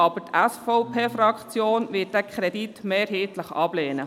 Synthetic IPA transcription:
ɑbətʰæsfɔʊpʰeːfɾɑkχt͡sjoːnʋɪːt̚d̥ɛkʰχɾɛditmeːɾɦeːtləχɑb̥leːnə

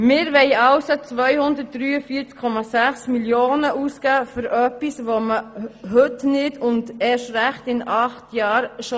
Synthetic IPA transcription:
mɪːɾʋɛɪɑʊsot͡sʋœʏhʊnd̪ət̚d̥ɾyːəfiːt͡skʰːɔmɑsæχsmiljoːnəʔuskæːfʏɾœpisʋoməɦʏtnɪdʊndɛʃɾæχtɪnɑχtjɑːɾʃo

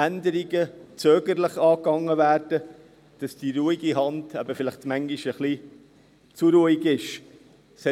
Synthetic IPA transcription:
ændəɾiɡət͡søːɡəɾləχɑːkɑŋːəvæːɾd̥ə | d̥ɑsd̥iɾuːiɡiɦɑndæ̰bəfɪlɪχtmæŋɡiʃəχli | t͡suɾuːiɡɪʃ | sɛ

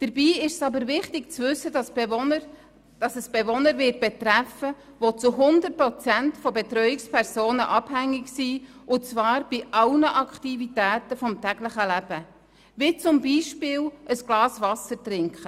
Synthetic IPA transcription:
d̥əɾbiːɪʃsɑbəɾvɪχtɪɡ̚t͡svʏsːədɑs | d̥ɑsəsb̥evɔnəɾʋɪːt̚b̥ɛt̪ɾæfə | ʋot͡suɦʊnd̪ərt̚pɾɔt͡sæntfɔbet̪ɾœjɪkspʰɛɾsoːnə̰ʔɑb̥hæŋːɪɡsiːʔʊt͡sʋɑːɾb̥ɪʔɑwnəʔɑkχtivit̪æːtəfɔmtæɡləχəlæb̥ə | ʋit͡sʊmbiːʃpɪːlʔəsɡ̥lɑːsvɑsəɾtrɪŋkχə

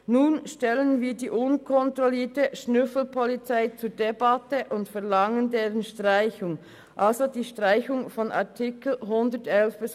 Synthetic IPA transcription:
nuːnʃtɛlənviːdiːʔʊnkʰɔntʁɔliːtəʃnʏfl̩pʰɔlit͡saɪt͡suːɐdebɑtəʔʊntfɛɐlɑŋəndeːʁənʃtʁaɪçʊŋ | ʔalzodiːʃtʁ̥aɪçʊŋfɔnʔɑ̰ɐtʰɪkl̩ɦʊndətɛlfb̥əs

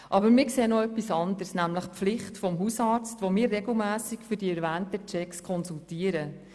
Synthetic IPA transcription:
ʔɑbəɾmɪɾkseːnɔœpːisɑnd̪əɾsnæmləχpflɪχtfɔmɦusɑːɾt͡stʋomɪːɾːeɡl̩mæːsikfʏɾdiɛɾvæːntət͡ʃɛkskʰɔnsultiːəɾə

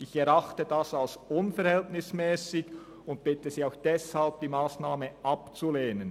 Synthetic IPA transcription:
ɪçɛɾaχtədasalsʊnfɛɾhɛltnɪsmɛːsɪɡ | ʊnt̚b̥ɪtəsiːaʊxd̥ɛshalb̚d̥iːmaːsnaːməʔapt͡suleːnən

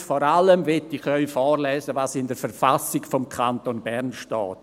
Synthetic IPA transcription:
fɔːɾaləmvɛtːiχœʏfɔːɾlɛːzəvaːsɪndəɾfɛɾfasɪɡfɔmkʰantonbɛɾnʃtɔ̰ːt

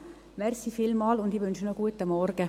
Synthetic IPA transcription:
mɛrsifilmɑːlʊnd̪iʋønʃənoɡ̥uət̪ːəmɔrɡ̥ə

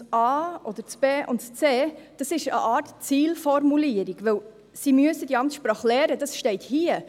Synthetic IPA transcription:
ɑːʔɔd̥̪əɾt͡sb̥eːʔʊ̰ntt͡seːd̥ɑsɪʃə̰ʔɑːtt͡siːlfɔɾmuliəɾiɡʋɵw | simyəsədiɑmt̪ʃpɾɑːχlɛːɾəd̥ɑsʃtɛɪthiːə

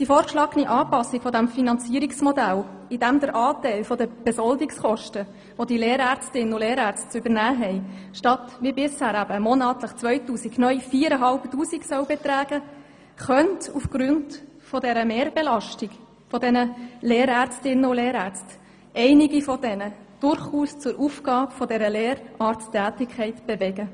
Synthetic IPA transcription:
d̥ifoːɾkʃlɑːɡ̥əniʔɑːpɑsːikfɔdæmfinɑnt͡siːɾiksmɔdæl | id̥æmd̪əɾʔɑːtɛɪlfɔdəb̥ɛsɔldiksχɔʃtə | ʋodileːɾæːɾt͡stɪnənʊleːɾæɾt͡st̚t͡sʏbəɾnæːɦɛɪʃtɑt̪ʋibɪshæːɾæbəmɔnɑːt̪ləχt͡sʋœʏtuːsiɡnœʏjfiːəɾəɦɑlptuːsiɡsœʊbɛt̪ɾæːɡ̥ə | χœntufɡ̥ɾʉnd | fɔdɛɾəmeːɾb̥elɑʃtiɡ | fɔdɛnəleːɾæːɾt͡stɪnːəʊleːɾæːɾt͡st | ʔɛɪniɡifɔd̥ɛnəd̥ʊɾχuːst͡sʊɾʔufɡ̥ɑːpfɔdɛɾəleːɾɑːɾtt͡stːæːtɪkʰɛɪtb̥evɛɡə

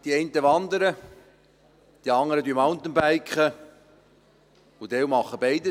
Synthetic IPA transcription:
d̥iɛɪnt̪əʋɑnd̪əɾə | d̥iɑŋəɾəd̪ymɑnt̪ənbæɪkχə | ʊd̪ɛwmɑχːəbɛɪd̪ə

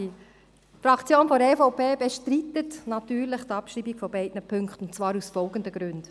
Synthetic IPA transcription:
i | fɾɑkʰt͡sjoːnfɔɾɛfowpʰeːbɛʃtɾit̪ətnɑtyːɾlɪχtɑpʃɾiːbiɡfɔbɛɪdnəpʰɵŋktʊntt͡svɑːɾusfɔlɡəndəɡ̥ɾʉnd̥

